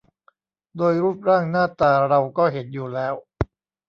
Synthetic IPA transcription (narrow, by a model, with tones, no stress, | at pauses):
doː˧jɾuː˥˩p̚ɾaː˥˩ŋnaː˥˩t̪aː˧ɾa˧wkɔː˥˩ɦe˩˦n̚juː˨˩lɛː˦˥w